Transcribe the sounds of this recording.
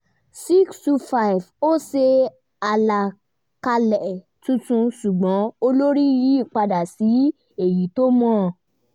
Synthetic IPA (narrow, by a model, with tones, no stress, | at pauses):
si˦kstu˧fa˧i˨vo˦se˧ | a˧la˨ | ka˧lɛ˨ | tũ˧tũ˧su˨ɡ͡bɔ̃˨˦o˧lo˦ɾi˦ji˨˦i˦˨k͡pa˧da˨si˨˦ | e˦˨ji˨˦to˦mɔ̃˦˨